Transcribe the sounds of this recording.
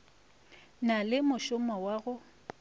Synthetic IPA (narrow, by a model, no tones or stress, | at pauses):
nalɪmʊʃʊmɔwaːɣʊ